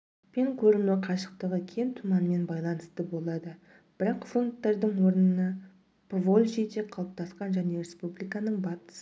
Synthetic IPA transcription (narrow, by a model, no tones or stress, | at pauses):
me̞ŋkʲʰɵɾɪmnɪqʰɑʃə̥q̚t̪əʁəkʲʰent̪ʰumɑnəme̞nbɑjlˠɑnəst̪əbo̞lˠɑd̪ə | b̥ɪɾɑqfont̪ːeɾd̪əɴwo̞ɾənənɑ | pvolʲʒejd̪eqʰɑlˠəp̚t̪ɑsqɑnʒæne̞ɾe̞spublijkɑnəɴbɑt̪ə̥s